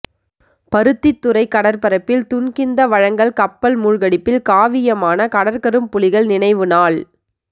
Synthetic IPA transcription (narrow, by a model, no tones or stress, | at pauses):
pɐɾɯt̪ːɪt̪ːɯɾɐɪkːɐɽɐɾpɐɾɐpːɪlt̪ʊɳkɪnd̪ɐʋɐɻɐŋɡɐɭkɐpːɐlmuːɻɣɐɽɪpːɪlkaːʋɪjɐmaːnɐkɐɽɐɾkɐɾɯmpʊlɪɣɐɭnɪnɐɪʋɯnaːɭ